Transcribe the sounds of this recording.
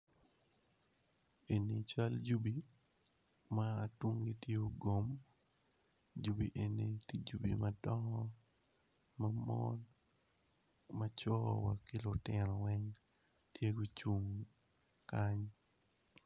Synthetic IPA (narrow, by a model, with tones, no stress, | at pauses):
e˨ni˨t͡ʃa˦ld͡ʒu˦bi˨ | maː˨tu˦ŋɡi˦tje˦o˨ɡo˨m | d͡ʒu˦bi˨ʔe˨ne˨ti˦d͡ʒu˨bi˨madɔ˦ŋɔ˦ | mamɔ̰n | mat͡ʃɔ˦wakɪ˦lʊ˨tɪɾɔ˨wɛ˦ŋ | tje˦ɡo˦t͡ʃu˦ŋ | ka˦ɲ